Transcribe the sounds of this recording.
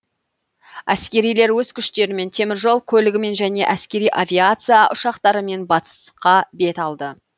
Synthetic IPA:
æskʲe̞ɾijle̞ɾwɵzkʲʰʏʃt̪e̞ɾɪme̞nt̪ʰe̞mɪɾʒo̞lˠkʲʰɵlɪɡʲɪme̞nʒæne̞ʔæskʲe̞ɾijʔavʲiat̪sɨjaʔʊʃɑqt̪ɑɾəme̞nbɑt̪ə̥sqɑbe̞t̪ɑlˠd̪ə

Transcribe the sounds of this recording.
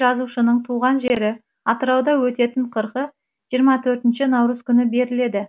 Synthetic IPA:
ʒɑzuʃənəɴt̪ʰuʁɑnʒe̞ɾɪ | ɑt̪əɾɑwd̪ɑwɵt̪e̞t̪ɪɴqʰəɾqə | ʒ̥ijəɾmɑt̪ʰɵɾt̪ɪnʃɪnɑwɾəzkʲʰʏnɪbe̞ɾɪle̞d̪ɪ

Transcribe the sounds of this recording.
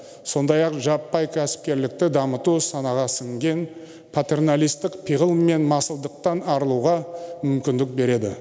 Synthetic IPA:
so̞nd̪ɑjɑqʒɑpːɑjkʲʰæsɪ̥p̚kʲe̞ɾlɪk̚t̪ɪd̪ɑmət̪usɑnɑʁɑsɪŋɡʲe̞n | pʰat̪e̞rnalʲˠijst̪ɪkpʰiʁəlˠme̞nmɑsəlˠd̪əq̚t̪ɑnɑɾlˠuʁɑmʏmkʲɪnd̪ɪk̚be̞ɾe̞d̪ɪ̰

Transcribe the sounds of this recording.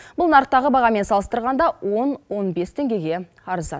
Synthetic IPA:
b̥ʊlˠnɑɾq̚t̪ːɑʁəbɑʁɑme̞nsɑlˠəst̪əɾʁɑnd̪ɑwo̞nwo̞nbe̞st̪ʰe̞ŋɡʲe̞ɡʲe̞ | ɑɾəzɑ̰

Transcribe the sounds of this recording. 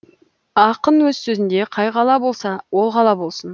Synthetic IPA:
ɑqənwɵzsɵzɪnd̪e̞qʰɑjqɑlˠɑbo̞lˠsɑwo̞lˠqɑlˠɑbo̞lˠsən

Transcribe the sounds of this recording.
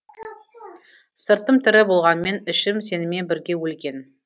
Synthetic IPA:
səɾt̪əmt̪ʰɪɾɪbo̞lˠʁɑnəme̞nɪʃɪmse̞nɪme̞bɪɾɡʲe̞wɵlɡʲe̞n

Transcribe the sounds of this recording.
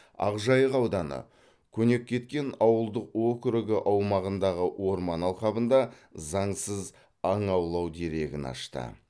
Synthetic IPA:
ɑ̰qʒɑjəqɑwd̪ɑnə̰ | kʲʰɵne̞kʲʰːe̞t̪kʲe̞nɑwəlˠd̪əqwokʲʏɾɪɡʲɪʔɑwmɑʁənd̪ɑʁəwʔo̞ɾmɑnɑlˠχɑbənd̪ɑzɑɴsəz | ɑɴɑwlˠɑwd̪e̞ɾe̞ɡʲɪ̰nɑ̰ʃt̪ə̰

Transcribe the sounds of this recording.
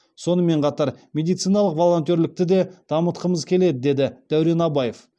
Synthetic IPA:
so̞nəme̞ɴqʰɑt̪ɑɾmʲe̞d̪ijt̪sɨjnɑlˠəqvo̞lˠo̞nt̪̬ʲe̞ɾlɪk̚t̪ɪd̪e̞d̪̥ɑmət̪qəməzkʲʰe̞le̞d̪ɪd̪e̞d̪ɪd̪̥æwɾe̞nɑbɑje̞f

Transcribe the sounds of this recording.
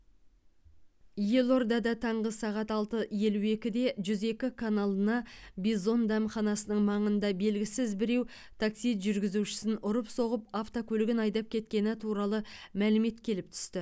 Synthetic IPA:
je̞lˠo̞rd̪ɑd̪ɑt̪ʰɑɴʁəsɑʁɑt̪ɑlˠt̪əje̞luwe̞kʲɪd̪e̞ʒʏze̞kʲɪkʰanalˠənɑbizo̞nd̪æmχɑnɑsənəɴmɑɴənd̪ɑbe̞lɡʲɪsɪzbɪɾe̞w | t̪ʰaksijt̪ʒʏɾɡʲɪzuʃɪ̥sɪnʊɾəpso̞ʁəp̚aft̪o̞kʲʰɵlɪɡʲɪnɑjd̪ɑp̚kʲʰe̞t̪kʲe̞nɪt̪ʰuɾɑlˠəmælɪme̞t̪kʲʰe̞lɪp̚t̪ʰʏ̥st̪ɪ

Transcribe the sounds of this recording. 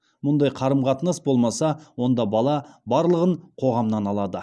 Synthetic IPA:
mʊnd̪ɑjqʰɑɾəmqʰɑt̪ənəsbo̞lˠmɑsɑwo̞nd̪ɑbɑlˠɑbɑɾlˠəʁəɴqʰo̞ʁɑmnɑnɑlˠɑd̪ə

